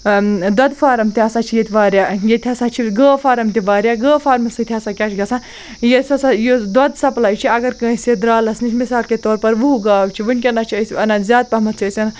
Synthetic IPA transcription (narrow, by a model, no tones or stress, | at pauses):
d̪ɐd̪fʰaːɾɐmt̪iɐsat͡ʃʰijet̪ʰʋaːɾʲjaːjet̪ʰʲɐsat͡ʃʰiɡəːfʰaːɾɐmt̪iʋaːɾjaːɡəːfʰaːɾmɐsɨt̪ʰʲɐsakʲaːt͡ʃʰɡɐsãː | jesɐsajod̪ɐd̪sɐplaːit͡ʃʰiɐɡɐɾkə̃ːsʲed̪ɾaːlɐsnit͡ʃʰmisaːlket̪oːɾpɐɾʋuuɡaːwt͡ʃʰiʋɨnʲk̬ʲɐnat͡ʃʰiɐsʲɐnazʲjaːd̪̚pɐɦmɐt͡sʰɐːsʲɐna